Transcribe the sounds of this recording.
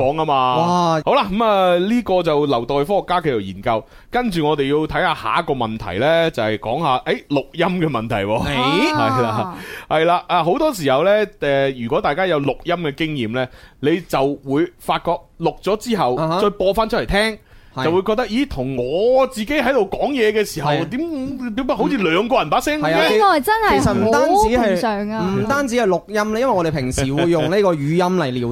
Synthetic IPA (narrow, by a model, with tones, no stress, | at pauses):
kɔː˨˥ŋɐ˥maː˧ho˨˥wla˧kɐ˨˥maː˨liː˥kɔː˧t͡sɐ˨wlɐ˨˩wt̪ɔː˨jfɔː˥hɔ˨kːaː˥kʰe˧jɐ˨˩wjiː˨˩nkɐ˧w | kɐ˥nt͡ʃyː˨ŋɔː˨˧t̪e˨ji˧wt̪ʰɐ˨˥jhaː˧ha̰ː˨˥kɔː˧mɐ˨nt̪ʰɐ̰˨˩jlɛː˥t͡sɐ˨˧hɛ˨jkɔ̰ː˨˥ŋhaː˨ʔe˨˥jlʊ˨k̚jɐ˥mkɛː˧mɐ˨nt̪ʰɐ̰˨˩jwɔː˧hɐ˨jlaː˧hɐ˨jlaː˧ʔaː˨˧ɦo˨˥wt̪ɔː˥s̬iː˨˩hɐ˨wlɛː˥ɛː˨jyː˨kɔː˨˥t̪aː˨jkaː˥jɐ˨˧wlʊ˨k̚jɐ˥mkɛː˧kɪ˥ŋjiː˨˩mlɛː˥le˨˧jt͡sɐ˨wwuː˨˧jfaː˧t̚kɔː˧k̚lʊ˨k̚t͡sɔː˨˥t͡siː˥ɦɐ˨wt͡ʃɔː˧jpɔː˧faː˥nt͡ʃʰɵ˥lt̪ʰɛː˥ŋ | ɐɐ˨wu˨˧jkɔː˧k̚t̪ɐ˥k̚ʔji˨˥t̪ʰʊ˨˩ŋŋɔː˨˧t͡siː˨ke˨˥jɦɐ˨˥jt̪o˨wkɔː˨˥ŋjɛː˨˧kɛː˧siː˨˩ɦɐ˨wt̪iː˨˥mt̪iː˨˧˥ɐ˥ho˨˥wt͡sʰiː˧lœː˨˧ŋkɔː˧jɐ˨˩npaː˨˥ksɛː˥ŋɐ˨jaɛ˧˥ɐ˨t͡sɐ˥nhɐ˨e˨˩sɐ˨t̚m̩˨t̪aː˥nt͡si˨˥hɐ˨˩œː˨˩ŋm̩˨˩t̪aː˥nt͡siː˨˥hɐ˨jlʊ˨k̚jɐ˥mlɛː˥jɐ˥nwɐ˨jɔ˧de˨˩pʰɪ˨˩ŋsiː˨˩wuu˨˧jːʊ˨ŋne˥kɔː˧jyː˨˧˥jɐ˥mlɐ˨˩jliː˨